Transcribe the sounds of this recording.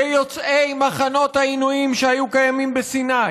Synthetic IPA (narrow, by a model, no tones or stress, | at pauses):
ejot͡sʔejmaχano̞t̪hainuimʃehajukajamimbesina